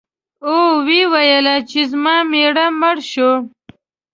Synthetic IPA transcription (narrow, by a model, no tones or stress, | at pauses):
oːwiwɐjəlat͡ʃizmɑːmeɽamɐɽʃo